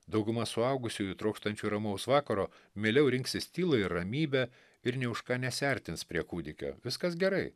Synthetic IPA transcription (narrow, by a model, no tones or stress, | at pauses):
d̪ɐʊɡʊmɐsʊɐʊɡʊsʲujʊt̪ɾoːkʃt̪ɐnʲt͡ʃʲuːɾɐmɐʊsʋɑːkɐɾoː | mʲeːlʲɛʊɾʲɪŋksʲɪsʲt̪ʲiːlˠɐɪɾːɐmʲiːbʲɛ | ɪɾnʲɛʊʃkɑːnʲɛsʲɛɾʲt̪ʲɪnspʲɾʲiɛkuːd̪ʲɪkʲo̰ːʋʲɪskɐsɡʲɛɾɐɪ